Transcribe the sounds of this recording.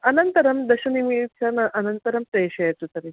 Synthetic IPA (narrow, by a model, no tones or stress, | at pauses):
ɐnɐnt̪ɐɾɐmd̪ɐɕɐnimit͡ɕanɐʔɐnɐnt̪ɐɾɐmpeɕɐjɐt̪ut̪ɐɾi